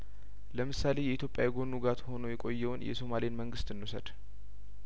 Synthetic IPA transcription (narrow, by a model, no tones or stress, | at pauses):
ləmɨsale̞jɛit̪ʰjopʼjawjɛɡo̞nːuɡat̪ho̞no̞jɛkʼo̞jːɛwʊnjɛ̰so̞malejnməŋɡɨst̪ɨnːusə̰d̪̥